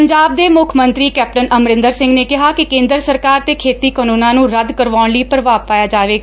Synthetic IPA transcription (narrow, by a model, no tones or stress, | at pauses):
əɲd͡ʒaːb̚d̪eːmʊkʰmənt̪ɾiːkɛːp̚ʈənəmɾɪ̃nd̪əɾsɪ̃ŋɡneːkɪɦaːkɪkẽːnd̪əɾsəɾkaːɾt̪eːkʰeːt̪iːkənũːnãːnũːɾəd̪kəɾʋaːɽləiːpɾəʋaːpaːjaːd͡ʒaːʋeːɡa